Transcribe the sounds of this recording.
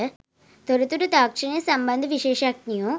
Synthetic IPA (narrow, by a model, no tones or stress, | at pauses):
t̪oɾɐt̪ːuɾut̪aːkʂɐɳesɐmbɐnd̪ʱɐʋiʂeːʂaːk̚nijoː